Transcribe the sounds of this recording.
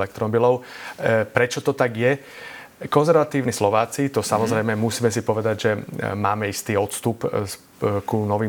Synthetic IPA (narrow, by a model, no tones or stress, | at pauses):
lɛk̚t̪ɾɔbilɔʊpɾɛt͡ʃɔt̪ɔt̪aɡjɛ | kɔnzɛɾʋat̪iːʊnislɔʋaːt͡sit̪ɔsamɔzɾɛjmɛmusiːmɛs̬ipɔʋɛd̪aɟʒɛmaːmɛist̪iːɔt̪st̪up | kunɔʋiː